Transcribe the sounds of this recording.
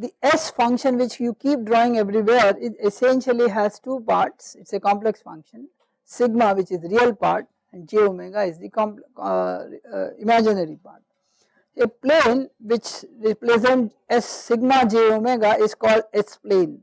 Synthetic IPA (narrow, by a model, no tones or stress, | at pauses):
d̪iɛsfʌ̃ŋkʃə̃nʋɪt͡ʃjuːkiːp̚ɖɾɔːɪ̃ŋɛʋɾiʋeːɾɪesɛ̃nʃəliɦɛzʈuːpaːɾʈsɪʈsekɔ̃mpleksfʌ̰̃ŋkʃə̃n | sɪɡmaʋɪt͡ʃɪzɾiəlpa̰ːɾʈ | ɛ̃ɳɖ̚d͡ʒeomeɡaɪzd̪ikɔ̃mp | ɪmæd͡ʒɪnəɾipa̰ːɾʈ̚ | eplẽːnʋɪt͡ʃɾɪpɾezẽɳʈ | ɛsːɪɡmad͡ʒeomeɡaʔɪzkɔːlɖɛsplẽːn